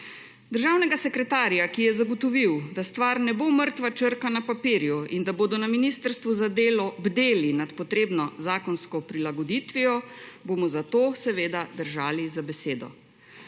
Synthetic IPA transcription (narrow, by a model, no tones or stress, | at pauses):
d̪əɾʒaːwnɛɡasɛkɾɛt̪aːɾijakijɛzaɡɔt̪ɔʋiwd̪ast̪ʋaɾnɛboməɾt̪ʋat͡ʃəɾkanapapiːɾjuind̪aboːd̪ɔnaminist̪əɾst̪ʋuzad̪eːlɔbd̪eːlinat̪pɔt̪ɾeːbnɔzaːkɔnskɔpɾilaɡɔd̪iːt̪ʋijɔbomɔzat̪oːsɛʋeːd̪ad̪əɾʒaːlizabɛseːd̪ɔ̰